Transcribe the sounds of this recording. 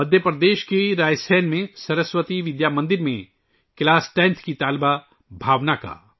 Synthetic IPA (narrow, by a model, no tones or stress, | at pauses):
mɐd̪ʱjəpɾɐd̪eːʃkeɾaːjsɛːnmẽsɐɾəswət̪iʋɪd̪jaːmɐ̃nd̪ɪɾmẽ | klaːsʈɛ̃ːnt̪ʰkit̪aːlba | bʱaːʋnaka̰ː